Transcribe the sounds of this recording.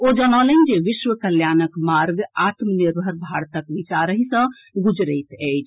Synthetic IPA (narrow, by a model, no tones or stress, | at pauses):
od͡ʒənɔlənd͡ʒeʋiʃʋəkəljanəkmaɾɡat̪mniɾbʱəɾbʱaɾt̪əkʋit͡ʃaɾəɦisə̃ | ɡud͡ʒɾət̪əjt͡ʃʰ